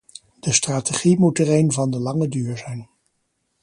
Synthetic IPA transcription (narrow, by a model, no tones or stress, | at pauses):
d̥əstraːteχimutərejnvɑndəlɑŋədyːɹzɛjn